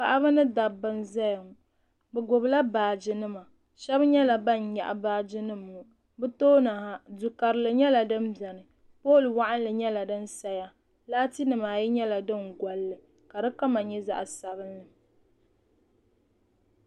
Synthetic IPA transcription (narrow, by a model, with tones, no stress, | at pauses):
pa˨ʔa˦bɨ˦nɨ˦da˨bːɨ˦nza˦jŋ˨ | bɛ˨ɡʊ˨bla˦baː˨d͡ʒɨ˨nɨ˦ma˨ | ʃɛ˦bɲɛ˦la˨ba˦˨nja˨ʔa̰˨baː˦d͡ʒɨ˦nɨ˦mːu˨ | bɨ˦toː˦na˨ha˨du˨ka˨ɾɨ˨lɨ˨ɲɛ˦la˨dɨ˦mbɛ˨nɨ˨ | poː˦˨lwa˦ʔa˦n˦lɨ˨ɲɛ˦la˨dɨ˦n˦sa˦ja˦ | laː˦ti˦nɨ˨maː˨jɛ˦ɲɛ˦la˨dɨ˦ŋɡa˨lːɨ˨ | ka˨dɨ˦ka˦ma˨ɲɛ˦za̰˦ʔsa˨bɨ˦nlɨ˨